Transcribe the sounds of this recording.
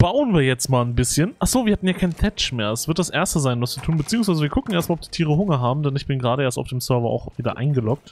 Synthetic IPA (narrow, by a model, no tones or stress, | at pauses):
b̥aʊənviːɐjɛt͡stmaːlnbɪsçənʔaχz̥oːviːɐhatn̩jaːkʰaɪnətʰɛt͡ʃmeːɐɛsv̥ɪɐtd̥asʔeːɐstəzaɪnvast͡sutʰuːnbət͡siːʊŋsvaɪzəviːɐkʰʊkŋ̩eɐstmalɔpd̥iːtʰiːʁ̞əɦʊŋɐɦaːbm̩dɛnɪçb̥ɪnɡʁaːɾəʔeːɐtaʊfd̥eːmsœɐvɐʔa̰ʊxv̥iːdɐ̰ʔa̰ɪnɡəlɔk̚t